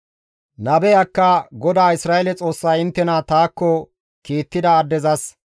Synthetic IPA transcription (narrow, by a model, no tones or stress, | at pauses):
nɐbɛjɐkːɐɡɔd̪aːɪsɾaːɛlɛt͡sʼo̞ːsːɐjɪnt̪ːɛnat̪aːkːɔ | kiːt̪ːɪd̪ɐːd̪ːɛzɐs